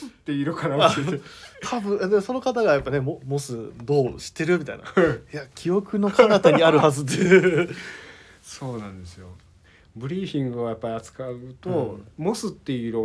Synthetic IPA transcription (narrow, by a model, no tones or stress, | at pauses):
sɨt̪ːe̞iɾɯkʰanaa | t̪ʰabɯ̟̃ad̪emoso̞no̞kat̪aɡajapːane̞momo̞sɨd̪oːɕi̥t̪ːe̞ɾɯ̟mʲit̪a̰ḭna̰jakʲʰio̞kɯ̟no̞kanat̪aɲ̟iaɾɯ̟hazɨt̪ːeɯ | so̞ːnãnd̪e̞sɨjo | bɯ̟ɾʲiːɸʲĩŋɡɯ̟ojapːaɾʲiat͡sɨ̥kaɯt̪o̞mo̞sɨt̪ːe̞iɾo